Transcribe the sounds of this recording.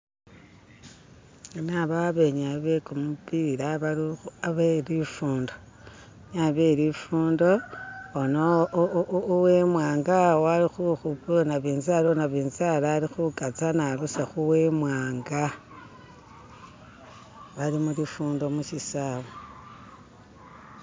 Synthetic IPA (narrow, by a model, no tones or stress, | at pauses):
naβaβe̞ɲaβekumupiɾaβaliaβeɾifuːndo | ɲaβeɾifuːndo̞ono | wemwaːŋɡawaɾixuxuβunaβiːnzaɾonaβiːnzalaːɾixukat͡sanaɾusaxuwemwaːŋɡa | βalimulifuːndo̞muʃisaβo